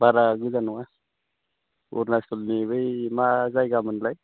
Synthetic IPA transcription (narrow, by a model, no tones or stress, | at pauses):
baɾaɡuzanwa | ṵɾnasulnibəjmad͡zajɡamənlaj